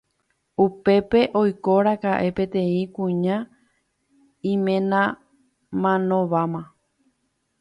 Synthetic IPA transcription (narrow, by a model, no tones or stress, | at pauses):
upe̞pe̞ʔo̞jkoɾakaʔe̞pe̞t̪ẽ̞ĩkũɲã | ĩmẽ̞nã | mãnõʋamã